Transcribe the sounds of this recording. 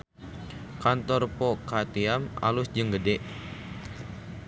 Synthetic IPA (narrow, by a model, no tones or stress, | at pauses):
kant̪ɔrpɔkat̪iama̰lʊsd͡ʒɨŋɡədɛʔ